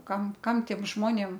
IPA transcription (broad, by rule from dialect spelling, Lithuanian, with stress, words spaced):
ˈkɐm ˈkɐm ˈtʲiɛm ˈʒmoːnʲeːm